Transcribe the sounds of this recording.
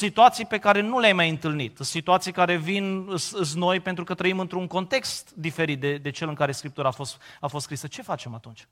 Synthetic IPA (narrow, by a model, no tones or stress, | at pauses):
sit̪uat̪sijpe̞kaɾe̞nuleajmajɨnt̪ɨlnit̪sit̪uat̪sijkaɾe̞vinɨsɨs̬no̞jpe̞nt̪ɾukət̪ɾəimɨnt̪ɾuŋko̞nt̪e̞kst̪d̪ife̞ɾit̪̚d̪e̞d̪e̞t͡ʃe̞lɨŋkaɾe̞skɾip̚t̪uɾaːfo̞st̪afo̞st̪skɾisət͡ʃe̞fat͡ʃe̞mat̪unt͡ʃʲ